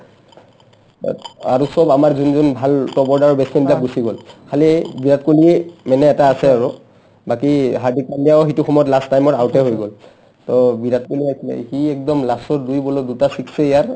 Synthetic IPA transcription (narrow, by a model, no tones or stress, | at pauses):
aɹusɔbamaɹzunzunbʱaltɔbɔɹdaɹɔbɛsɛnbilak̚busiɡɔlkʰalibiɹatkoliɛmɛnɛːtaːsɛaɹu | bakiɦaɹdikandijaɔxituxɔmɔjɔtlastajmɔtaʊtɛɦojɡɔl | tɔbiɹatkuliasilɛ̰kiɛk̚dɔmlasɔɹdujbɔlodutasikʰsɛijaɹ